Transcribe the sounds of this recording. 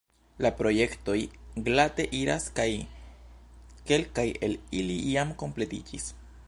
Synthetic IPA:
lapɾo̞je̞kto̞jɡlate̞ʔiɾa̰skaj | ke̞lkaje̞lilijamko̞mple̞tid͡ʒis

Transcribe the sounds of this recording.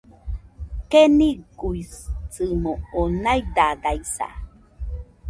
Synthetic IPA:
keniɡujt͡sɨmoonajd̪ad̪ajsa̰

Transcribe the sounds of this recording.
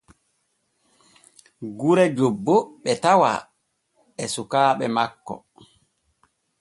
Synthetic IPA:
ɡuɾɛd͡ʒobːɔɓɛtawa̰ | ɛsukaːɓɛmakːɔ̰

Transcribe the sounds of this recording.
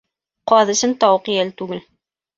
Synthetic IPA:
qɑðɤ̆ɕɘnt̪ɑwqijælt̪ʉɡɘl

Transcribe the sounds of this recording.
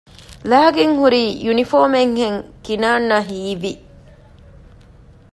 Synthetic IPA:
laːɡeŋhuɾiːjunifoːmeŋheŋkinaːnːɐɦiːʋi

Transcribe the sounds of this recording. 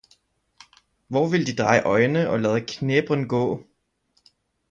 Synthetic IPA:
ʋɒʋe̝ld̥id̥ʁɑ̈ɪʔɒ̽ɪnəʔɒ̽læːð̞ˠəkʰneb̥ʁənɡ̥ɔ̰ː

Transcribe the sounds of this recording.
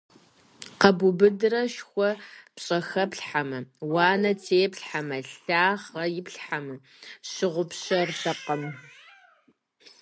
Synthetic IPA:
qɐbʊbɨdɨrɐʃxʷɔpɕʼɐxɐpɬħamɐwɑːnɐtʰeːpɬħamɐɬaːʁɐjɪpɬħamɐ | ɕɪʁʷʊpɕɐrtɐqəm

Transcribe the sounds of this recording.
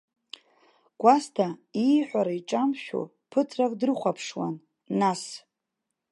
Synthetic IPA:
ɡ̥ʷastʰaijħʷᶣaɾaiʈ͡ʂʼamʃᶣo̰ | pʰɨtʰrakʼdrɨχʷapʰʂwa̰nː | as

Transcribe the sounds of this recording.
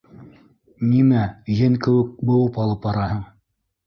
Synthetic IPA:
nimæjɘŋkɘ̆wɘ̆k̚bɤ̆wɤpɑlˠɤpɑɾɑhɤɴ

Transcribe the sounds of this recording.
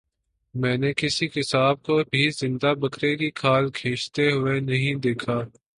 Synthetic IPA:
mɛ̃ːnekɪsikɪsaːb̚kobʱizɪ̃nd̪abɐkɾekikʰaːlkʰeːt͡ʃt̪eɦʊenɐɦĩd̪eːkʰaː

